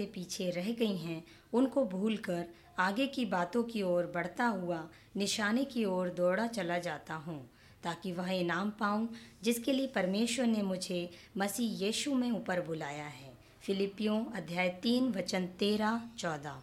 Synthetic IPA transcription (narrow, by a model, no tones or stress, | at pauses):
epiːt͡ʃʰeɾɛɦɡɐiɦɛ̃ | ʊnkobʱuːlkɐɾ | aːɡekibaːt̪õkiɔːɾbɐɽ̤t̪aɦua | nɪʃaːnekiɔːɾd̪ɔːɽat͡ʃɐlad͡ʒaːt̪aɦũː | t̪aːkiʋɐɦenaːmpaːũd͡ʒɪskeliepɐɾmeːʃwəɾnemʊd͡ʒʱemɐsiːjiːʃumẽuːpəɾbʊlaːjaɦɛː | fɪlɪpːijõɐd̪ʱjaːjt̪iːnʋɐt͡ʃənt̪eːɾat͡ʃɔːd̪a̰ː